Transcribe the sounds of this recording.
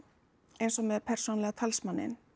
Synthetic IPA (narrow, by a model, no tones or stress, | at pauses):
ejnsɔmɛɾpʰɛr̥sɔːnlɛɣat̪ʰalsmanːɪ̰n